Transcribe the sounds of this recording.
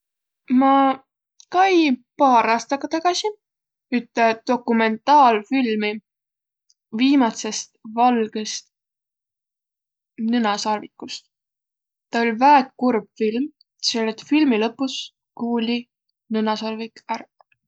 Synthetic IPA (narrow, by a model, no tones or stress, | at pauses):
mɑ | kɑjpɑːɾɑːst̪ɑɡ̥ɑt̪ɑɡ̥ɑsi | yt̪ːˑed̪̥o̞kːume̞nt̪ˑɑːlfilmi | viːmɑt̪se̞st̪vɑlɡ̥est̪ | nenɑsɑrvikːˑust̪ | t̪ɑolʲvæːet̪̚kurb̥film | selːet̪filmilɤpːˑus | kuːlʲi | nɤnɑsɑrvikærp